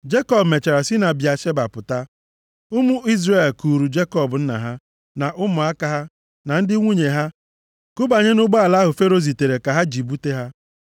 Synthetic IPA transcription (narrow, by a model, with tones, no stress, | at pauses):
d͡ʒe˦kɔ˨bme˨t͡ʃa˨ɾa˨si˦na˨bja˨ʃe˦ba˨pʊ˨ta˦ | ʊ˦mʊ˦i˦zɾe˦˨e˨lku˨ɾu˨d͡ʒe˦kɔ˨bʊ˨n̩˦na̰˨ɦa˦ | na˨ʔʊ˦mʊ˨a˦ka˦ɦa˦ | na˨n̩˦dɪ˦ŋʷu˦ɲe˨ɦa˦ | kʊ˦ba˨ɲe˦nʊ˦ɡ͡ba˦a˨la˦ɦʊ˨fe˦ɾo˦zi˨te˨ɾe˨ka˨ɦa˦d͡ʒi˨bu˦te˦ɦa˦